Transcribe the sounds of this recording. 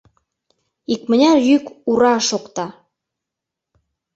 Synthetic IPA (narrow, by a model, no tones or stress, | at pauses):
ikmə̆nʲɑjykuɾɑʃokt̪ɑ